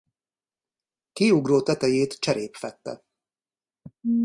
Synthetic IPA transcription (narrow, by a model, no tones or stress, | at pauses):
kiuɡroːt̪ɛt̪ɛjeːt̪t͡ʃɛɾeːpfɛt̪ːɛ̰